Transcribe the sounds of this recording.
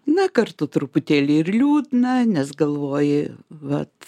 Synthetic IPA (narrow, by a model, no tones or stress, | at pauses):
nɐkɐrt̪ʊt̪ɾʊpʊt̪ʲeːlʲɪɪrlʲuːd̪ʲnɐnʲɛsɡɐlˠʋoːjɪʋɐt̪